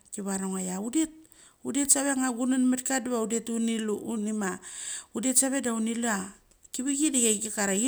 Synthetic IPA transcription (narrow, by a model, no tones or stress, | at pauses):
kiβaɾoŋajaudet̚ | udetsaβe̞ŋaɡunonmetkadβaudetuniluunimaudetsaβe̞daunilua | kiβiɡidaɡakikaɾai